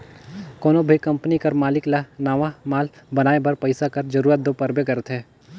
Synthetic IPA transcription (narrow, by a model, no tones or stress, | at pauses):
koːnobʱɐkɐ̃mpnikɐɾmaːlɪklanaːʋamaːlbɐnaːebɐɾpɐɪsakɐɾd͡ʒɐɾuːɾət̪̚d̪opɐɾbekɐɾət̪ɦɛː